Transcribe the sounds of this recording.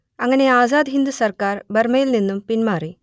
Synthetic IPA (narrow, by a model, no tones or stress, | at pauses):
ɐŋːɐne̞aːzaːd̪ɦind̪usɐrkaːrbɐrmɐjilninːumpinmaːri